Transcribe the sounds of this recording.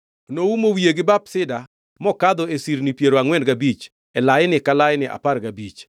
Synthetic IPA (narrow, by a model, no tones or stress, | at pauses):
noumowieɡɪbapsɪda | mɔkad̪ɔesiɾnipjeɾoaŋwɛndɡabit͡ʃ | ɛlajɪnɪkalaɪnɪʔa̰parɡabit͡ʃ